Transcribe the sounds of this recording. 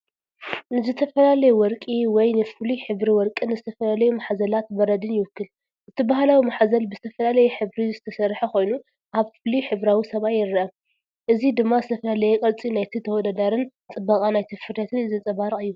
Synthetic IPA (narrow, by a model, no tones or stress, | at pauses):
nɨzɨt̪ʰɐfɐlalɐjuwɔɾkʼiwɔjnɨfɨliħɨβɾiwɔɾkʼɨnɨzɨt̪ʰɐfɐlalɐjumaħzɐlat̪bɐɾɐd̪ɨnjɪwɨkːɨl | ʔɨt̪ʰibaɦalawimaħazɐlbɨzɨt̪ʰɐfɐlalɐjɛħɨβɾizɨt̪ʰɐsɐɾħakʰo̞jnu | ʔaβfɨliħɨβɾawisɐβajɪɾːɐʔɐm | ʔɨzid̪ɨmːazɨt̪ʰɐfɐlalɐjɛkʼɐlt͡sʼinajt̪ʰit̪ʰɐwɔd̪ad̪aɾɨn | t͡sʼɨbːakʼanajt̪ʰɨfɨɾʰɐt̪ʰɨnɨzɐt͡sʼɐβaɾʼɨjːu